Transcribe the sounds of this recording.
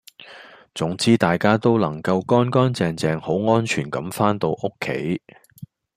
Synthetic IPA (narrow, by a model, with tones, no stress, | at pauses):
t͡sʊ˨˥ŋt͡siː˥t̪aː˨jkaː˥t̪o˥wlɐ˨˩ŋkɐ˧wkɔː˥nkɔː˥nt͡sɛː˧ŋt͡sɛː˧ŋho˨˥wŋɔː˥nt͡ʃʰyː˨˩nkɐ˨˥mfaː˥nt̪o˧wʔʊ˥kʰːḛ˨˥j